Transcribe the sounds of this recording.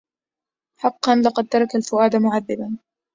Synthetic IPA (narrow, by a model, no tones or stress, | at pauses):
ħɑqːɑnlɑqɑd̪̚t̪ɑɾˤɑkalfʊʔaːd̪amʊʕaðːɪban